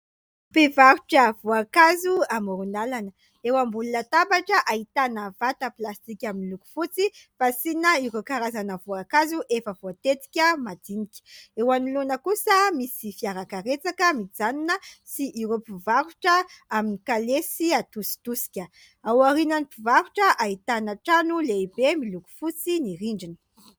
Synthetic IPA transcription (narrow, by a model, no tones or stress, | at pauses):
pevaɾuʈ͡ʂəv̥uakazuamuɾunalanə | ewambulunət̪abaʈ͡ʂəʔait̪anəvat̪əplast̪ikʲaminluku̥fut͡sifasinəiɾokaɾazanəvuakazuʔefəvoat̪et̪i̥kʲəmad̪inikʲi̥ewanilunəkusəmisifiaɾakaɾet͡sakəmid͡zaninəsiʔiɾopivaɾuʈ͡ʂəaminikalesiat̪usi̥t̪usi̥kʲə | awaɾinənipivaɾuʈ͡ʂəʔait̪anaʈ͡ʂanuleibemiluku̥fut͡siniɾiɳɖ͡ʐinə̥